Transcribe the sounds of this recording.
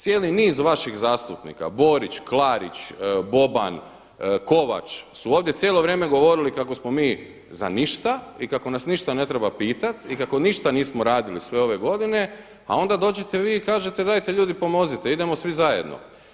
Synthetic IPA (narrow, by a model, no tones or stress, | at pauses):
t̪sje̞ːliniːzʋaʃixzaːst̪upnḭːka̰bo̞ɾit͡ʃklˠaːɾḭt͡ʃbo̞ba̰n | ko̞ʋa̰t͡ʃsuoːʋd̪je̞tsʲjeːlo̞ʋɾjeːmeɡo̞ʋo̞ɾilikako̞smo̞miː | za̰niʃt̪aikako̞nasniʃt̪ane̞t̪ɾe̞bapiːt̪at̪ikako̞niʃt̪aniːsmo̞ɾaːd̪ilisʋe̞o̞ʋe̞ɡo̞d̪ine̞ | ao̞nd̪ad̪o̞ːd͡ʑe̞t̪e̞ʋiːkaːʒe̞t̪ed̪ajt̪e̞ʎuːd̪ipo̞mo̞zit̪eid̪e̞mo̞sʋizaje̞̰d̪nʔo̰